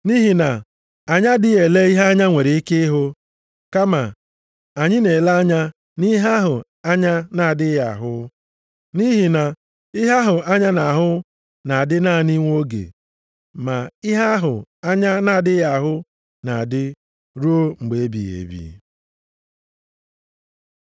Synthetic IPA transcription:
ni˦ɦi˨na˨ | a˨ɲa˦dɪ˦e˨le˦i˦ɦa˦ɲa˦ŋʷe˨ɾe˨i˦ke˦ɪ˦ɦʊ˦ | ka˦ma˨ | a˨ɲɪ˦ne˨la˦ɲa˦ | ni˦ɦa˦ɦʊ˨ | a˦ɲa˦na˨dɪ˦ja̰˨ɦʊ˦ | ni˦ɦi˨na˨ | ɪ˦ɦa˦ɦʊ˨a˦ɲa˦na˨ɦʊ˦ | na˨a˨dɪ˦na˦˨ni˦ŋʷ˦o˦ɡḛ˨ | ma˨i˦ɦa˦ɦʊ˨a˦ɲa˦na˨a˨dɪ˦ja˨ɦʊ˦ | na˨a˨dɪ˦ | ɾu˦o˦ŋ͡m̩˨ɡ͡be˨e˦bḭ˨ḛ˨bḭ˨˦

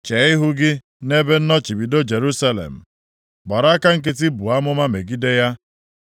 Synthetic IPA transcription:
t͡ʃe˨˦ɪ˦ɦʊ˦ɡɪ˦ | ne˦be˦n̩˦nɔ˦t͡ʃi˨bi˨do˦d͡ʒe˨ɾu˦sa˦lḛ˨m̩˨ | ɡ͡bɔ˨ɾa˦a˦ka˦ŋ̩˦˨k̬ɪ˦t̬ɪ˦bu˨a˦mʊ˦ma˦me˨ɡi˦de˦ja˦

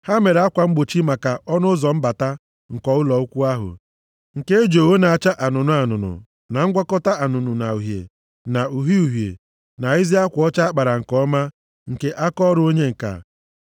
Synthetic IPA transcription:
ha˦me˨ɾa˦kʷa˨ŋ͡m̩˦ɡ͡bo˨t͡ʃi˦ma˨ka˨ɔ˦nʊ˦zɔ˨m̩˦ba˨ta˦ | ŋ̩˨kɔ˨ʊ˦lɔ˨u˦kʷu˦a˦ɦʊ̰˨ | ŋ̩˨ke˦e˦d͡ʒo˨wo˦na˨a˨t͡ʃa˦ʔa˨nʊ˨nʊ˦a˨nʊ˨nʊ̰˨ | na˨ŋ̩˦ɡʷa˦kɔ˦ta˦a˨nʊ˨nʊ˨na˨u˨ɦjḛ˨ | na˨u˨ɦi˦u˨ɦjḛ˨ | na˨i˦zi˦a˦kʷʊ˨˦ɔ˦t͡ʃa˦a˦k͡pa˨ɾa˨ŋ̩˨kɔ˦ma˦ | ŋ̩˨ke˦ʔa˦kɔ˦ɾʊ˦o˦ɲe˦ŋ̩˨ka̰˨

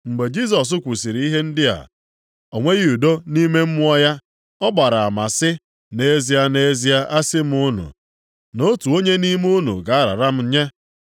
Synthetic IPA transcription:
ŋ͡m̩˨ɡ͡be˨d͡ʒi˦s̬ɔ˨s̬ʊ˦kʷu˨si˨ɾi˨i˦ɦe˦n̩˦dɪ˦a̰˨ | o˨ŋʷe˦ɣi˦u˨do˦ni˦me˦m̩˦ʊ˦ɔ˦ja˦ | ɔ˦ɡ͡ba˨ɾa˨a˨ma˨sɪ˦ | ne˦zi˦a˦ne˦zi˦a˦ʔa˦sɪ˦m̩˦ʊ˦nṵ˨ | no˦tu˨o˦ɲe˦ni˦m˦u˦nṵ˨ɡa˨a˦ɾa̰˨ɾa˦m̩˦ɲe˦

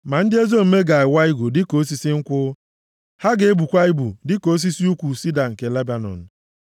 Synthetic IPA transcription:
ma˨n̩˦dɪ˦e˦zo˦m̩˨me˦ɡa˨ɪ˨wa˦i˦ɡʷʊ˨dɪ˦ko˨˦s̬i˦si˦ŋ̩˦kʷʊ˦ | ha˦ɡe˨e˦bu˨kʷa˦i˦bu˨dɪ˦ko˨˦s̬i˦si˦u˦kʷu˨si˦da˨ŋ̩˨ke˨le˦ba˨nɔ̰˨n̩˨

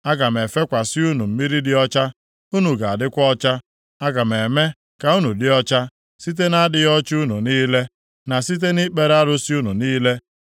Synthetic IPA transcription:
a˦ɡa˨m˨e˨fe˦kʷa˨sɪ˦u˦nu˨m̩˨mi˦ɾi˦dɪ˦ɔ˦t͡ʃa˦ | u˦nu˨ɡa˨a˨dɪ˦kʷɔ˦t͡ʃa˦ | a˦ɡa˨m˨e˨me˦ | ka˨u˦nu˨dɪ˦ɔ˦t͡ʃa˦ | si˦t̬e˦na˦dɪ˦jɔ˦t͡ʃu˦nu˨niː˦le˦ | na˨si˦t̬e˦ni˦k͡pe˦ɾa˦ɾʊ˦sɪ˦u˦nu˨niː˦le˦

